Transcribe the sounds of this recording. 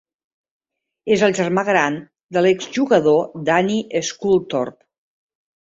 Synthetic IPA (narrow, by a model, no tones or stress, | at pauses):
ezəlˠʒərmaɣɾan | d̪əlɛkzʒuɣəðod̪aniʔəskulˠt̪ɔ̰rp